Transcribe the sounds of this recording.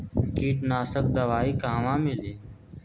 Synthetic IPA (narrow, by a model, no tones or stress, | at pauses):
kiːʈnaːsək̚d̪əʋaːiːkãːʋãːmɪleː